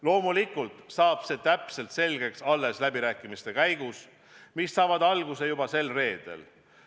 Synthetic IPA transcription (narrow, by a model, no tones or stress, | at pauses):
lo̞ːmulikːˑult̪sɑːb̥se̞ːt̪æpse̞lt̪se̞lʲɡ̥e̞ksɑlːe̞slæbiɾæːkːˑimist̪e̞kæjɡ̥us | misːɑːvɑd̪ɑlɡ̥use̞jubɑse̞lre̞ːd̪̥e̞̰l